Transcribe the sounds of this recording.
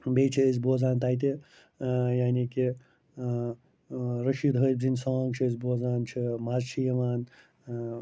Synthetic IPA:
beːt͡ʃʰiəzʲboːzaːnt̪aːjt̪̬i | jaːniki | ɾɐʃiːd̪ɦəjbzinsaːŋɡt͡ʃʰiəzʲboːzaːnt͡ʃʰimaːzt͡ʃʰijɐʋaːn

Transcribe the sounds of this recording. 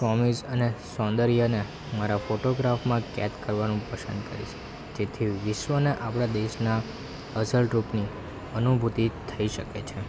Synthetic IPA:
sɔmid͡ʒənesɔ̃nd̪əɾijane | maɾafoʈoɡɾafmãkɛ̰t̪kəɾʋanũpəsə̰nd̪kə̰ɾḭt͡ʃʰe̥ | d͡ʒet̪ʰiʋɪʃʋəneʔapɽ̃ad̪eʃna | əsəlʈɾupni | ənubʱut̪it̪ʰəiʃəket͡ʃʰe

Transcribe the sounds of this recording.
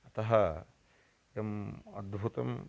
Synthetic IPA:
ɐt̪ɐɦɐ | jɐmɐd̪bʱut̪ɐ̰m

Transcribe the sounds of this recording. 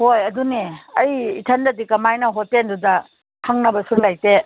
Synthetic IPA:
hojɐduneɐjitʰandɐdikɐmajnɐɦotːendudɐ | haŋnɐbɐsuɾlajte

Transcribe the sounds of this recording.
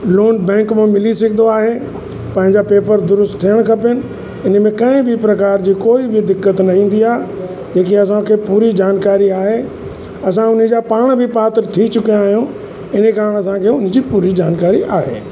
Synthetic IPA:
loːnbɛ̃ːŋkmãmɪlisɐkʰɪd̪oaːɦe | pɐ̃ɦɪ̃ɲd͡ʑapeːpəɾd̪ʊɾʊst̪t̪ʰːijəɽ̃kʰɐpənɪ̆ | ɪnə̆mẽkɐ̃ɪ̃bɪpɾɐkaːɾd͡ʑiːkoːibɪd̪ɪkːət̪nɐĩːn̆d̪iaː | d͡ʑeːk̬iɐs̬ãkʰeːpuːɾid͡ʑaːnkaːɾiaːɦeː | ɐsãʊnə̆d͡ʑaːpaːɽ̃bʱɪpaːt̪ɾt̪ʰit͡ɕʊkijãaːɦijõ | ɪnekaːɾɽ̃ɐsãkʰeːʊn̤ə̆d͡ʑiːpuːɾid͡ʑaːnkaːɾiʔaːɦḛː

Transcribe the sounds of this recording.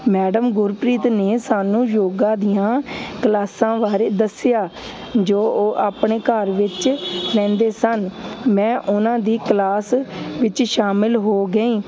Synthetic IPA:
mɛːɖəmɡʊɾpɾiːt̪neːsaːnũːjoːɡãːd̪ijãːklaːsãːʋaːɾeːd̪əsɪjaː | d͡ʒoːʔoːʔaːpɳeːkəɾʋɪt͡ʃlɛ̃ːnd̪eːsənmɛ̃ːʔʊnãːd̪iːklaːsʋɪt͡ʃʃaːmɪlɦoːɡəĩː

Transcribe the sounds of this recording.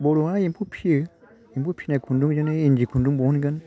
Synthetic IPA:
boɾoajĩpʰupʰiə | impupʰiekʰunduŋd͡ʒəneind͡ʒikʰuduŋbounɡən

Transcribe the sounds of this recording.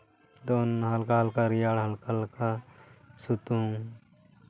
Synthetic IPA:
d̪onɦalkaɦəlkaɾijaɽɦəlkalka | sut̪ũ

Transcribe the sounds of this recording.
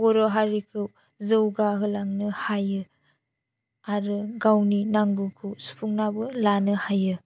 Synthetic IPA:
ɡɔɾɔɦaɾikʰɯw | zɯwɡaɦɯlaŋnɯhajɯ | aɾɯɡawninaŋɡɯkʰɯwsu̥pʰuŋnabɯlanɯhajɯ

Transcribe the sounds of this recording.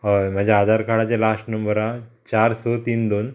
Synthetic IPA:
ɔm̤ad͡ʑʱaːd̪ʱaɾkaɽat͡ɕelasʈnəmbəɾat͡ɕaɾsot̪iːnd̪on

